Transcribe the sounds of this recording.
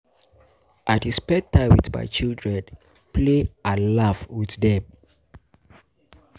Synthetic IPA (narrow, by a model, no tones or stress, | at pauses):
ʔatispɛtʰaɪwitma̰ɪt͡ʃildɹɛ̃n | pʰlealavwiθdɛm